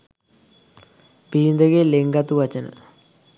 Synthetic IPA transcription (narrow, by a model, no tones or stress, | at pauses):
biːnd̪ɐɡeleŋɡɐt̪uʋɐt͡ɕɐnə̰